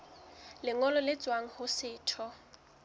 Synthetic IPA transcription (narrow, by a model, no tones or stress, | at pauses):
lɪŋɔlɔlɪt͡sʼwaŋ̩hʊsɪːtʰɔ